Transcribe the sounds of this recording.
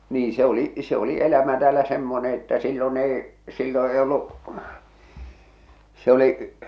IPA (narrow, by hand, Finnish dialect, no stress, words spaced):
niː se oli se oli elæmæ tæːlæ semːone etːæ silːon eˑi silːo ei olːuʔ se oliʔ